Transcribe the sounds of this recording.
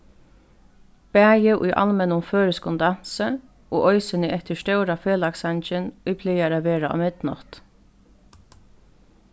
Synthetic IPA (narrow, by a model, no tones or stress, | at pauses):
b̥æːjəʔṵɪʔɑ̰lmɛnʊmføːɾəskʊnd̪ɑnsə | ʔo̰ːʔɔʏsənəʔɛt̪əʂʃtœʉɾafeːlɑksɑnt͡ʃənʏpʰlejaɾaʋeːɾaɔ̰ːmɪd̪nɔ̰t̪